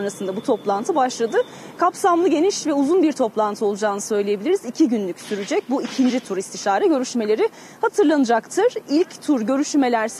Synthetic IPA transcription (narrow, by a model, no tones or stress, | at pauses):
nɾasɯnd̪abut̪ʰo̞plˠant̪ʰɯbaʃlˠad̪ɯ | kʰapsamlˠɯɟe̞niʃvɛuzunbiɾt̪ʰo̞plˠant̪ʰɯo̞lˠud͡ʒaːnɯsø̞jlʲejebilʲiɾizicʰiɟynlʲycsyɾyd͡ʒɛc̚buicʰind͡ʒit̪ʰuɾist̪ʰiʃaːɾɛɟø̞ɾyʃme̞lʲe̞ɾi | hat̪ʰɯɾlˠanɯd͡ʒakt̪ʰɯɾ̥ilʲct̪ʰuɾɟø̞ɾyʃme̞lʲæɾs